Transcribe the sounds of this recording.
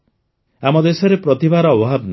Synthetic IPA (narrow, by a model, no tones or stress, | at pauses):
amɔd̪esɔɾepɾɔt̪ibaɾɔːbɔɦabn